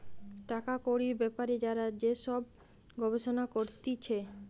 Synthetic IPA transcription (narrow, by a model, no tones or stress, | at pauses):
ʈakakoɾiɾbɛpaɾed͡ʑaɾad͡ʑeʃɔb | ɡɔbeʃonakoɾt̪it͡ɕʰe